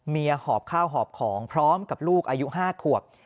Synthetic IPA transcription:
miː˧hɔː˨˩p̚kʰaː˥˩wɦɔː˨˩p̚kʰɔː˩˦ŋpʰɾɔː˦˥mka˨˩p̚luː˥˩k̚ʔaː˧ju˦˥ʔɦaː˥˩kʰu˨˩əp̚

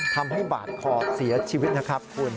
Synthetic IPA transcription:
t̪ʰa˧mɦa˥˩jba̰ː˨˩t̪̚kʰɔː˨˩si˨˩˦ɐt͡ɕʰiː˧wi˦˥t̪̚na˦˥kʰɾa˦˥p̚kʰu˧ən

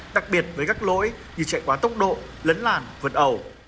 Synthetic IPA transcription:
ɗa˨˩k̚ɓi˨˩ət̚vəː˨˦jkaː˦˥k̚lo̰˧˥j | zɨ˨˧˩t͡ɕɛ̰˧˨jkwaː˨˦t̪ə˦˥wk͡p̚ɗo̰˧˨ | lə˨˦nlaː˨˩nvɨ˨˩t̚ʔə˨˩w

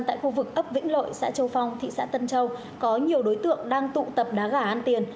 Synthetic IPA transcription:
t̪a̰ː˧˨jxu˧vɨ˨˩k̚ʔə˦˥p̚vḭ̈˧˥ŋ̟lo̰˧˨jsa̰ː˧˥t͡ɕə˧wfa˨˧wŋ͡mt̪ʰḭ˧˨sa̰ː˧˥t̪ə˧nt͡ɕə˧w | kɔ˨˦ɲi˨˩əwɗo˨˦jt̪ɨ̰˧˨əŋɗaː˧ŋt̪ṵ˧˨t̪ə˨˩p̚ɗaː˨˦ɣaː˧˩ʔaː˧nt̪i˨˩ən

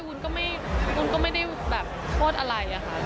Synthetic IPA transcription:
u˧nkɔː˥˩ma˥˩j | ku˧nkɔː˥˩ma˥˩jda˥˩jbɛː˨˩p̚pʰoː˥˩t̪̚ʔa˧ɾa˧jʔa˨˩kʰa˦˥˩

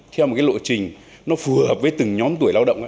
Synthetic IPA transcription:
t̪ʰɛ˧wo˨˩kaː˨˦lo̰˧˨t͡ɕï˨˩ŋ̟ | nɔ˨˦fu˨˩əhəː˨˩p̚vəː˨˦jt̪ɨ˨˩ŋɲɔ˨˦mt̪u˧˩əjlaː˧wɗə̰˧˨wŋ͡mʔaː˧

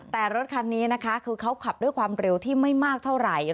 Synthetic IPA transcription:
t̪ɛː˨˩ɾo˦˥t̪̚kʰa˧˥nːiː˦˥na˦˥kʰa˦˥kʰɯː˧kʰa˦˥wkʰa˨˩p̚du˥˩jkʰwaː˧mɾe˧wt̪ʰiː˥˩ma˥˩jmaː˥˩k̚t̪ʰa˥˩wɾa˨˩j

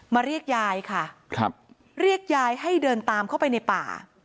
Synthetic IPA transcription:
maː˧ɾi˥˩ək̚jaː˧jkʰa˥˩kʰɾa˦˥p̚ | ɾi˥˩ək̚jaː˧jɦa˥˩jdɤː˧nt̪aː˧mkʰa˥˩wpa˧jna˧jpa̰ː˨˩

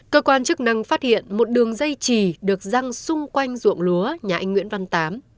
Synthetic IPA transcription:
kəː˧kwaː˧nt͡ɕɨ˦˥k̚na˧ŋfaː˦˥t̚hḭ˧˨ənmo˨˩t̚ɗɨ˨˩əŋzə˧jt͡ɕi˨˩ɗɨ˨˩ək̚za˧ŋsʊ˧ŋ͡mkwa˧jŋ̟zṵ˧˨əŋlu˨˦əɲaː˨ʔa˧jŋ̟wḭ˧˥ənva˧nt̪aː˨˦m

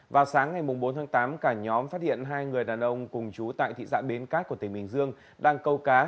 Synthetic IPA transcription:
vaː˨˩wsaː˨˦ŋːa˨˩jmʊ˨˩ŋ͡mɓo˨˦nt̪ʰaː˨˦t̪aː˨˦mkaː˧˩ɲɔ˨˦mfaː˦˥t̚hḭ˧˨ənɦaː˧jŋɨ˨˩əjɗaː˨˩nʔə˧wŋ͡mkʊ˨˩ŋ͡mt͡ɕu˨˦t̪a̰ː˧˨jt̪ʰḭ˧˨za̰ː˧˥ɓe˨˦nkaː˦˥k̚ku˧˩ət̪ŋ̟hï˨˩ŋ̟zɨ˧əŋ | ɗaː˧ŋkə˧wkaː˨˦

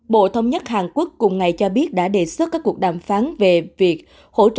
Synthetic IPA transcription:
ɓo̰˧˨t̪ʰə˧wŋ͡mɲə˦˥t̚haː˨˩nku˦˥əkːʊ˨˩ŋ͡mŋa˨˩jt͡ɕɔ˧ɓi˦˥ət̚ɗa̰ː˧˥ɗe˨˩sɨ˦˥t̚kːaː˦˥kːu˨˩ək̚ɗaː˨˩mfaː˨˦nve˨˩vi˨˩ək̚ | ho̰˧˥t͡ɕ

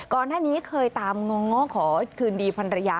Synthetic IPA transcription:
kɔː˨˩nːaː˥˩niː˦˥kʰɤː˧jt̪aː˧mŋɔː˧ŋɔ˦˥kʰɔː˩˦kʰɯː˧ndiː˧pʰa˧nɾa˧ja˦˧˥

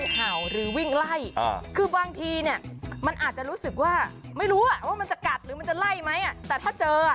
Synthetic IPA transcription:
haː˩˦wɾɯː˩˦wi˥˩ŋla˥˩j̰kʰɯː˧baː˧ŋt̪ʰiː˧ni˥˩ɐma˧nʔaː˨˩t̪̚t͡ɕa˨˩ɾuː˦˥sɯ˨˩k̚waː˥˩ma˥˩jɾuː˦˥ʔa˨˩waː˥˩ma˧nt͡ɕa˨˩ka˨˩t̪̚ɾɯː˩˦ma˧nt͡ɕa˨˩la˥˩jma˦˥jʔa˨˩t̪ɛː˨˩t̪ʰaː˥˩t͡ɕɤː˧˩

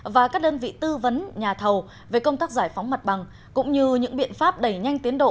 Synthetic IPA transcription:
vaː˨˩kaː˦˥k̚ɗəː˧nvḭ˧˨t̪ɨ˧və˨˦nɲaː˨˩t̪ʰə˨˩w | ve˨˩kə˧wŋ͡mt̪aː˦˥k̚zaː˧˩jfa˨˦wŋ͡mma˨˩t̚ɓa˨˩ŋ | kʊ̰˧˥ŋ͡mɲɨ˧ɲɨ̰˧˥ŋɓḭ˧˨ənfaː˦˥p̚ɗə˧˩jɲa˧jŋ̟t̪i˨˦ənɗo̰˧˨

